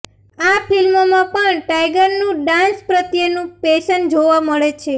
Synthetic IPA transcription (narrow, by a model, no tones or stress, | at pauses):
afʰilmomãpəɳʈajɡəɾnũɖãnspɾət̪jənũpeʃənd͡ʒoʋãməɭet͡ʃʰe